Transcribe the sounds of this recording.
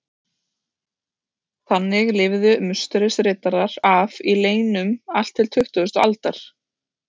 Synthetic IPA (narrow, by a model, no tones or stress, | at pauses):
θanːɪɣlɪvðʏmʏst̪ʏɾɪsɾɪːt̪aɾaɾavileːjnʏmal̥t̪ʰːɪlt̪ʰʏht̪ʏðʏst̪ɔa̰lt̪aɾ̥